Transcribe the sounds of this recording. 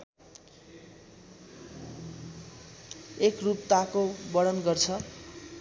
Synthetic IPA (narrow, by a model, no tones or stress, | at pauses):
ekrup̚t̪akobʌɽʌnɡʌrt͡sʰʌ